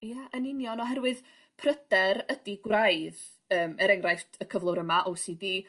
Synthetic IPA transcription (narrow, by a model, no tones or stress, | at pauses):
jaʔənɪnjɔnɔɦɛrwɨð | pʰrəd̥ɛɾədiɡwrajð | əːmɛɾɛŋrajftʰəkʰəvlˠʊɾəmaʔowsidi